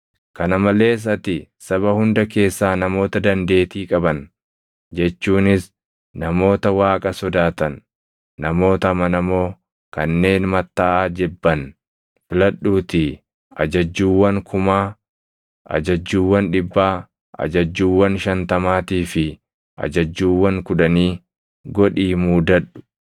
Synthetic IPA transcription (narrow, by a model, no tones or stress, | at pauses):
kɐnɐmɐle̞ːs̬ɐt̪ɪsɐβɐhʊnd̪ɐke̞ːsːaːnɐmo̞ːt̪ɐd̪ɐnd̪e̞ːt̪iːkʼɐbɐn | d͡ʒɛt͡ʃːuːnɪs | nɐmo̞ːt̪ɐwaːkʼɐsɔd̪aːt̪ɐnː | ɐmo̞ːt̪ɐmɐnɐmo̞ː | kɐnːe̞ːnmɐt̪ːaːʔaːd͡ʒɪbːɐn | fɪlɐɗːuːt̪ɪ | ʔɐ̰d͡ʒɐd͡ʒːuːwːɐŋkʰʊmaː | ʔɐ̰d͡ʒɐd͡ʒːuːwːɐnᶑɪbːaː | ʔɐ̰d͡ʒɐd͡ʒːuːwːɐnʃɐnt̪ɐmaːt̪iːfɪ | ʔɐ̰d͡ʒɐd͡ʒːuːwːɐŋkʊᶑɐniː | ɡɔᶑiːmuːd̪ɐᶑʊ̥